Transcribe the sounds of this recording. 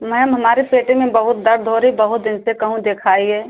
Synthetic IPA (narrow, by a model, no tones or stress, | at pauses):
mɛmɦəmaːɾepeːʈemẽbəɦʊt̪̚d̪əɾd̪ʱoɾibəɦʊt̪̚d̪ɪnsekəɦũd̪ekʰaːiɦɛː